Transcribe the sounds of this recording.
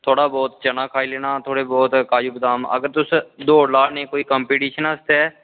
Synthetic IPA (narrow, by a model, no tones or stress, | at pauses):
t̪ʰoːɽaːbɔːt̪t͡ʃənaːkʰaːileːnaːt̪ʰoːɽebɔːt̪kaːjuːbəd̪aːmə̰ɡəɾt̪ʊsd̪oːlaːnẽːkoːikɔmpiːʈiːʃənəst̪eɛː